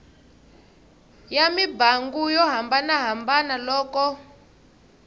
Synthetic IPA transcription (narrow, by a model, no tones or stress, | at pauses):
jamibaŋɡujɔɦambanaɦambanalɔːkɔ